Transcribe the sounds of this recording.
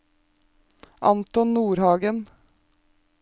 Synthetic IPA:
ʔɑ̰nt̪ɔnnuːɾhɑːɡən

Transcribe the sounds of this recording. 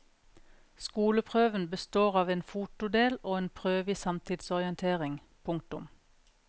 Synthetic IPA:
skuːləpʰʁøːʋənbəst̪oːʁɑːʋeːnfuːt̪ʊd̪eːloːeːnpʰʁøːʋɪsɑmt̪ʰɪd̪sɔʁɪənt̪ʰeːʁɪŋ | pʰʊŋk̚t̪ʊm

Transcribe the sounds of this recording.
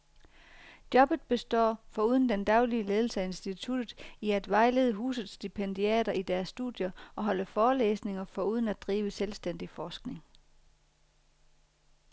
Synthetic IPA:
d̥jɒ̽b̥ð̩ˠb̥e̝sd̥ɒ̰ːfɒ̽uð̞ˠn̩d̥end̥ɑ̈ʊliəle̝ːð̞ˠl̩səæe̝nsd̥it͡sʰud̥ð̩ˠiæd̥ʋɑ̈ɪle̝ːðˠəɦṵːsð̩ˠsd̥ipʰend̥iɛ̰ːɾɐʔid̥æɐsːd̥ṵðˠjɐʔɒ̽ɦɒ̽ləfɒːlḛːsne̝ŋɐfɒ̽uð̞ˠən̩æd̥̚d̥ʁiːʋəselsd̥en̰d̥ifɒːsɡ̥ne̝ŋ

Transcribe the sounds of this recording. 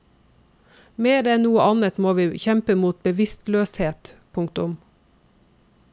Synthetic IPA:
meːɾɛnnuːəʔɑnət̪moːʋiːçɛmpəmuːt̪̚bəʋɪst̪løːsheːt̪pʰʊŋkt̪ʊm

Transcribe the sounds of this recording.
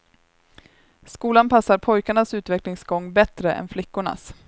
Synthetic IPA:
skuːlanpasːaɾpʰɔjkaɳasʉ̟ːt̪vɛklɪŋsɡɔŋːbɛt̪ɾəʔɛ̰nflɪkːʊɳa̰s

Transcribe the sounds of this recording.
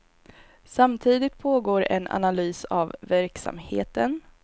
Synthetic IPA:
samt̪ʰiːd̪ɪt̪̚pʰoːɡoːɾɛ̰na̰nalyːsa̰vːæɾksa̰mhḛːt̪ən

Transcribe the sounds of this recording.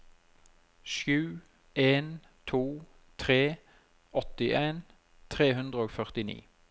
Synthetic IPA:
ʃjʉː | eːn | t̪ʰuː | t̪ʰʁeː | ɔt̪ɪʔeːn | t̪ʰʁeːɦʉnd̪ʁəoːɡfœʁt̪ɪnḭː

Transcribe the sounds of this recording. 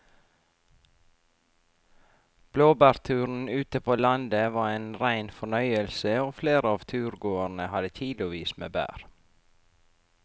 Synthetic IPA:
b̥loːbæːɾt̪ʰʉːɾn̩ʉːt̪əpʰoːlɑnd̪əʋɑːɾeːnɾæɪnfɔɳœʏəlsəoːfleːɾəɑːʋt̪ʰʉːɾɡoːənəhɑd̪ət̪ʰiːdlʊʋiːsmḛːbæ̰ːɾ

